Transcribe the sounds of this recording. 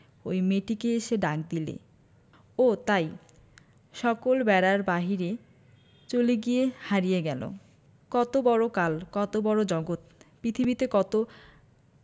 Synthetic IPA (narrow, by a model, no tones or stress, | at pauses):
ojmeʈikeeʃeɖak̚d̪ilḛ | ot̪aj | ʃɔkolbɛɾaɾbaɦiɾe | t͡ɕoleɡijehaɾijeɡɛlo̰ | kɔt̪obɔɾokalkɔt̪obɔɾod͡ʑɔɡot̪pɾit̪ʰibit̪ekɔt̪o